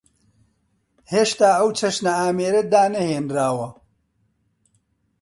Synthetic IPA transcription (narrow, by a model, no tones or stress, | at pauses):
heːʃt̪aːɐwt͡ʃʰɐʃnɐaːmeːɾɐd̪aːnɐheːnɾaːwɐ